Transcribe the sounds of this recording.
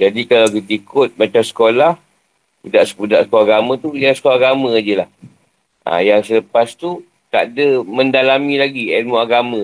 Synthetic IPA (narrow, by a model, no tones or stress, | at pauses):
d͡ʒadikalawkit̪ikʰʊt̪̚mat͡ʃamsə̥kolah | pudaʔsəpudaʔsə̥kolaɡamãt̪ujasə̥kolaɡamə̃ad͡ʒəlah | ʔa̰jaŋsələpast̪u | t̪a̰ʔdəmə̃ndalamĩlaɡiɛnmõaɡamã